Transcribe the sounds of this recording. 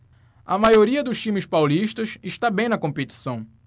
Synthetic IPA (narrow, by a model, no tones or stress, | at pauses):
ɐmajoɾiɐd̪ʊʃt͡ʃĩmɪspawliʃt̪ɐʃɪʃt̪abẽj̃nɐkõmpet͡ʃi̥sɐ̃w̃